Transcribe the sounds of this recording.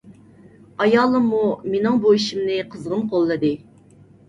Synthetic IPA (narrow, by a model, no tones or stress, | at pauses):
ɑjɑːlˠɨmːumenɪŋboiʃimnɨqʰəzʁənqʰolˠːɨd̪ɨ